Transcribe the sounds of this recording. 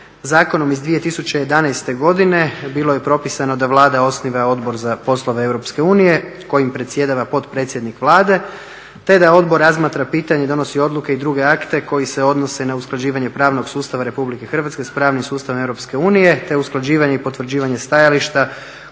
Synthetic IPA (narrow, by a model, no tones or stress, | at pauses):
zaːko̞no̞mizd̪ʋije̞t̪isut͡ɕeje̞d̪anajst̪e̞ɡo̞d̪ine̞bilˠo̞je̞pɾo̞pisano̞d̪aʋlˠaːd̪ao̞sniʋao̞d̪bo̞ɾzapo̞slˠo̞ʋeewɾo̞pske̞uːnije̞ko̞jimpɾet̪sje̞d̪aʋapo̞t̪pɾe̞ːt̪sʲje̞d̪nikʋlˠaːd̪e̞ | t̪e̞d̪ao̞d̪bo̞ɾːazmaːt̪ɾapiːt̪aɲed̪o̞no̞sio̞d̪lˠuke̞id̪ɾuɡe̞akt̪e̞ko̞jise̞o̞d̪no̞se̞nausklˠad͡ʑiːʋaɲe̞pɾaːʋno̞ɡsuːst̪aʋaɾe̞publike̞xr̩ʋat̪ske̞spɾaːʋnimsuːst̪aʋomewɾo̞pske̞uːnije̞t̪e̞usklˠad͡ʑiːʋaɲeipo̞t̪ʋr̩d͡ʑiːʋaɲe̞st̪ajaliʃt̪a